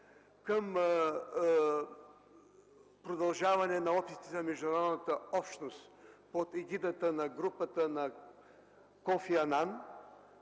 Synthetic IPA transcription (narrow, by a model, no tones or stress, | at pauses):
kəm | pɾod̪ɐlˠʒavɐnɛnɐɔpʲisi̥t̪ɛzɐmɛʒd̪unɐɾɔd̪nət̪əɔpʃnost̪pot̪ɛɡʲid̪ət̪ənɐɡɾupət̪ənɐ | kofiɐnan